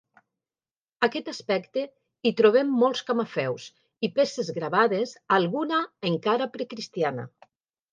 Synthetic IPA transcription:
akɛt̪aspɛkt̪e | it̪ɾoβ̞ɛmːɔlˠskamafɛws | ipesezɣɾaβaðezalˠɣunaeŋkaɾapɾekɾist̪iana̰

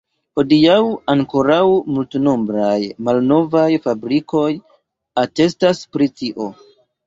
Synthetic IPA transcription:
ho̞diawaŋko̞ɾawmultno̞mbɾajmalno̞vajfabɾiko̞j | ate̞staspɾitiʔo̞

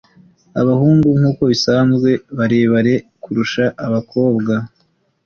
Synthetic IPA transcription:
aβahuːŋɡuŋ̥huːko̞βisaːnzɡwe̞βaɾeːβaɾe̞kuɾuʃaʔaβakʰo̞ːbɡa

